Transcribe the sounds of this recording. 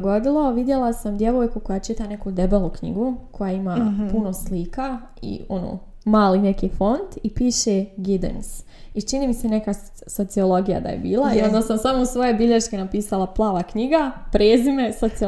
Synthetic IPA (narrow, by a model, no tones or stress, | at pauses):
ɡod̪ilˠoʋid̪je̞lˠasamd̪je̞ʋoːjkukojat͡ʃit̪ane̞kud̪ebelˠukɲḭɡukʰo̞jaimapunosliːka | ḭono̰ː | maːlinekifo̞nt̪ipiːʃeɡid̪ḛns | it͡ʃiniːmise̞neka | so̞t̪siolo̞ɡija̰d̪a̰jḛbiːlˠaio̞nd̪asamsamousʋo̞je̞biʎeʃkenapiːsalˠaplˠaːʋakɲiɡapɾeːzime̞sot̪sio